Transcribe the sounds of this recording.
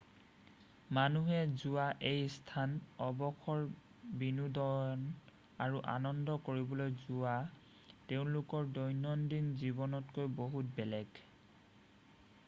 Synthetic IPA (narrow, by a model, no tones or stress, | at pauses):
manuɦɛzʊaʔejstʰanɔbɔxɔɹ | binudɔɔn | aɹuʔa̰nɔndɔkoɹibɔlojzʊa | teʊ̃lʊkɔɹdɔjnɔndinzibɔnɔtkojboɦut̚bɛlɛɡ